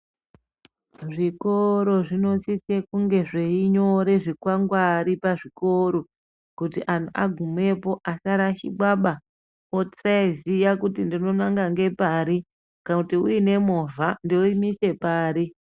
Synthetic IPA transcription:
ʐikoɾo̞ʐino̞sisekuŋɡe̞ʐeiɲo̞ɾe̞ʐikwaŋɡwaːɾipaʐiko̞ɾo | kutiʔan̤ʰuʔa̰ɡʱumwe̞po̞ʔasaɾaʃiɓaɓa | ot͡saizijakutindino̞naŋɡaŋɡe̞paːɾi | kanakutiuine̞movʱandeuimise̞paːɾi

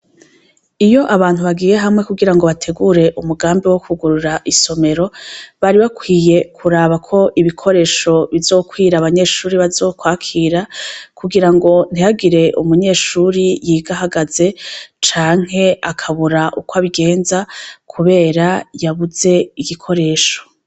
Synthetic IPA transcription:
ijo̞ʔaβaːn̥huβaɡiːje̞ɦamŋe̞kuɡiɾaŋɡo̞βatʰe̞ɡuɾe̞ʔumuɡaːmbiwo̞kʰuɡuɾuɾaʔiso̞me̞ɾo̞βaɾiβakwiːje̞kʰuɾaːβakʰo̞ʔiβikʰo̞ɾe̞ːʃo̞βizo̞ːkwiːɾaːβaɲe̞ːʃuːɾiβazo̞ːkwaːkʰiːɾakuɡiɾaŋɡo̞n̥ijaɡiɾe̞ʔṵmuɲe̞ːʃuːɾijiːɡaɦaɡaze̞t͡ʃaːŋ̥ɦe̞akʰaβuɾaʔukwaβiɡe̞ːnzakʰuβe̞ːɾajaβuze̞iɡikʰo̞ɾe̞ːʃo̞̥

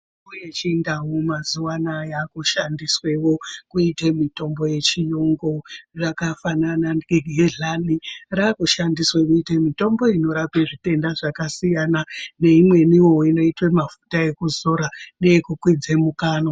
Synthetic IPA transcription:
ojet͡ʃindawumazuwanajakuʃandiswe̞wo̞kuitemito̞mbo̞je̞t͡ʃijoŋɡo̞ʐakafananaeɡʱɦeɮanirakuʃandiswekuitemito̞mbo̞ino̞ɾape̞ʐite̞ndaʐakasijanane̞imwe̞niwowino̞itwemafu̥taekuzo̞ɾanekukwid͡zemukaːno̞

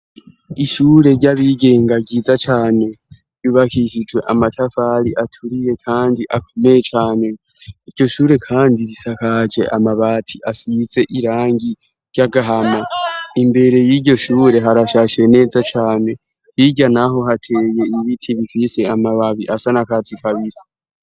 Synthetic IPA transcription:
iʃuːɾe̞ɾɟaβiɡe̞ːŋɡaɡiːzat͡ʃaːne̞ | βiβakʰiʃid͡ʒwe̞̰ʔamatʰafaɾiʔatʰuɾije̞kʰaːndiʔakʰo̞me̞jet͡ʃaːne̞ | iɾɟo̞ʃuːɾe̞kʰaːndiβisakad͡ʒe̞̰ʔamaβaːtʰiʔasize̞ʔiɾaːŋɡi | ɾjaɡaɦamaimbe̞ɾejiːɟo̞ʃuːɾe̞ɦaɾaʃaʃe̞ne̞ːzat͡ʃaːne̞ | hiɟanaɦo̞ɦatʰe̞ːje̞iβitʰiβifise̞amaβaβiʔasanakat͡sikʰaβisḁ

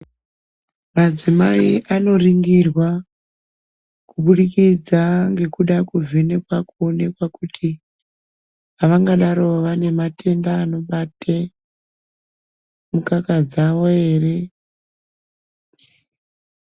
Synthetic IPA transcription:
mad͡zimaiʔano̞riŋɡirwa | kuɓuɗikid͡zaŋɡe̞kuɗakuvʱe̞ne̞kwakuone̞kwakutʰi | aʋaŋɡaɗaɾo̞ʋane̞mate̞ndaːno̞ɓatʰe | mukakad͡zaʋoe̞ːre̞

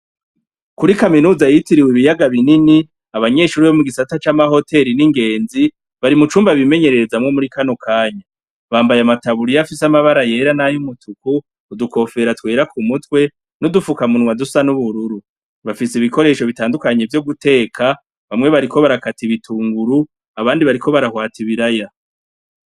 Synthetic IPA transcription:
kuɾikaminuːzajitiɾiwiβijaɡaβinini | aβaɲe̞ʃuːɾiβomuɡisatat͡ʃamaho̞te̞ɾiniŋɡe̞ːnzi | βaɾimut͡ʃuːmbaβime̞ɲe̞ɾe̞ɾezamŋo̞muɾikano̞kʰaːɲa | βaːmbajamataβuɾijafisamaβaɾaje̞ːɾanajumutukuː | duko̞fe̞ɾatwe̞ːɾakʰumutwe̞ | nodufukamunwadusanuβuɾuɾu | βafisiβiko̞ɾe̞ːʃo̞βitaːndukaɲe̞vjoɡute̞ːkʰa | βamŋe̞βaɾikʰo̞βaɾakatiβitʰuːŋɡuɾu | aβaːndiβaɾikʰo̞βaɾahwaːtiβiɾaja

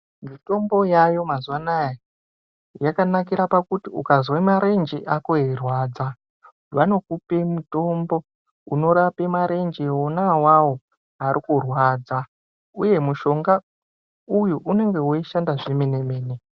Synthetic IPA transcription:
mito̞mbo̞jajo̞mazuwanaja | jakanakiɾapakutiukazwemaɾe̞nd͡ʒeʔakoirwaːd͡za | wano̞kupe̞muto̞mbo̞ | uno̞ɾape̞maɾe̞nd͡ʒeonawawo̞ | aɾikurwaːd͡za | uje̞muʃo̞ŋɡa | ujuʔune̞ŋɡe̞woiʃandaʐimene̞meːne

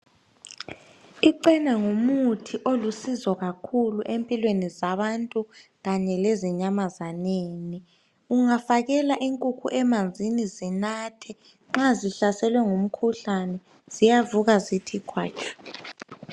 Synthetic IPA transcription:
iǃɛnaŋumutʰiʔolusizɔɣakʰuluʔempʼilwenizaβantʼuɣaɲɛleziɲamazaneːni | uŋafaɣɛlaʔiŋkʼukʰṵʔɛmand͡zʱinizinatʰɛ | ŋ͡ǁaziɬasɛlwɛŋum̩kʰuɬanɛ | z̥ijavuɣazitʰikʰwaːt͡ʃʰɔ̥

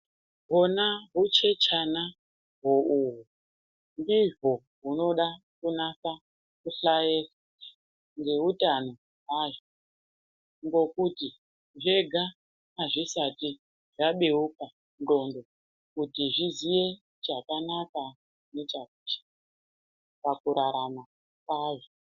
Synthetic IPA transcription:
ɦonaɦut͡ʃet͡ʃʰana | ɦouɦu | ndiʐo | ɦuno̞ɗa | kunaɸa | kuɬajera | ŋɡeutano | ɦaʐo | ŋɡo̞kuti | ʐe̞ɡʱa | aʐisati | ʐaɓe̞uka | ndo̞ndo̞ | kutiʐiziʋe̞ | t͡ʃakanaka | ne̞t͡ʃakut͡ʃi̥ | pakuɾaɾama | kwaːʐo

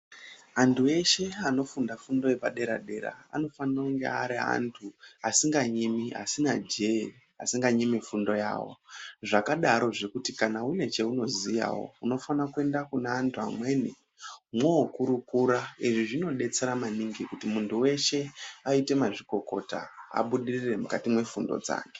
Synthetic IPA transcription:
antʰue̞ʃe̞ano̞fundafundo̞je̞paɗe̞ɾa̰ɗe̞ɾa̰a̰no̞fanirauŋɡe̞̰aɾiɦa̰ntʰuasiŋɡaɲimia̰sinad͡ʒei | a̰siŋɡaɲimifundo̞ja̰ːwo̞̰ʐakaɗaɾo̞ʐe̞kutikanaune̞t͡ʃe̞uno̞zija̰wo̞̰uno̞fanakue̞ndakuneantʰua̰mwe̞ni | mwoːkuɾukuɾaiʐiʐino̞ɗe̞t͡se̞ɾamaniŋɡikutimuntʰuwe̞ʃe̞aite̞maʐiko̞ko̞ta̰a̰ɓuɗirire̞mukatimwe̞fundo̞̰d͡za̰ːŋɡe̥

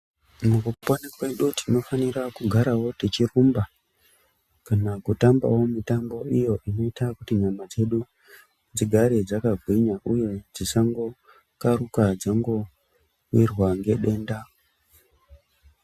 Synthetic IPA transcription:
mukuponekwe̞ɗutino̞fanirakuɡʱaɾawo̞tet͡ʃirumba | kanakutamba̰wo̞mitambo̞ijo̞ʔino̞itakutiɲamad͡ze̞ɗu | d͡ziɡʱaɾed͡zakaɡʱwiɲaʔuje̞d͡zisaŋɡo̞ | karukad͡zaŋɡo̞ | wirwaŋɡe̞ɗe̞ːnda

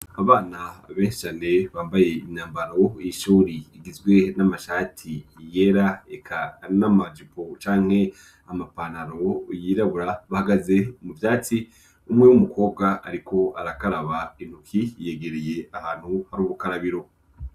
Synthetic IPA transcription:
aβaːnaβe̞ːnʃi̥t͡ʃaːne̞βaːmbaje̞imɲaːmbaɾo̞ijiʃuːɾiːɡizɡwe̞namaʃaːtʰije̞ɾaekʰanamad͡ʒipo̞t͡ʃaːŋ̥he̞ | amapanaɾo̞jiːɾaβuɾaβahaɡaze̞muvjaːt͡si | umŋe̞wumuko̞ːb̚ɡaʔaɾikʰo̞ʔaɾakaɾaβain̥hukʰije̞ɡeɾeje̞ahaːn̥huhaɾuːβukaɾaβiɾo̞

